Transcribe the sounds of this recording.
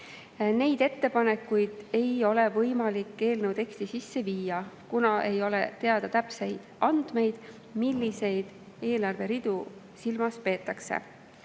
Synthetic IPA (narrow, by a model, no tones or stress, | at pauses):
ne̞jd̪e̞t̪ːe̞pɑne̞kːujd̪̥e̞jo̞le̞vɤjmɑlikːˑe̞ːlnəwt̪e̞kst̪isisːe̞viːjɑkunɑʔe̞jo̞le̞̰t̪e̞ɑd̪̥ɑt̪æpse̞jd̪̥ɑnd̪̥me̞jd̪̥ | milːise̞jd̪̥ | e̞ːlɑrve̞ɾid̪̥u | silmɑspe̞ːt̪ːˑɑksḛ